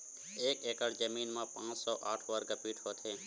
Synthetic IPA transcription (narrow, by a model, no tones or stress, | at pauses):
eːkekəɽd͡ʒəmiːnmãːpãːt͡ʃsoːʔaːʈʰʋəɾɡəpiʈʰoːt̪ʰeː